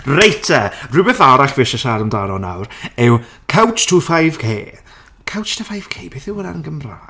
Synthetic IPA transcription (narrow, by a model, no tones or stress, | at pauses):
rejtʰarʊbɛθaɾaɬvɪʃəʃaɾəmdaːnɔna̰wrɛw | kʰawt͡ʃtʰuːfajv̥kʰḛː | kʰawt͡ʃtʰəfajv̥kʰeːb̥eːθɪwəna̰ənɡəmrḁ